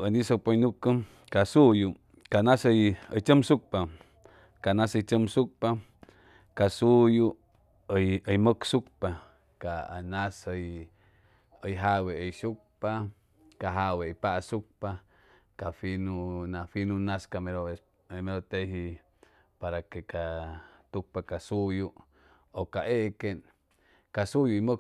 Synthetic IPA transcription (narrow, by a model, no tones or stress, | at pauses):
ənisok̚pəjnukːəm | kasuju | kanasəjəjt͡ʃəmsuk̚pa | kanasəjt͡ʃəmsuk̚pa | kasuju | əjəjməksuk̚pa | kaa̰nasəj | əjɦaweəjsuk̚pa | kaɦawejpaʔsuk̚pa | kafinunafinunaskameɾo | meɾot̪eɦi | paɾakekat̪uk̚pakasuju | okaʔeʔken | kasujuimə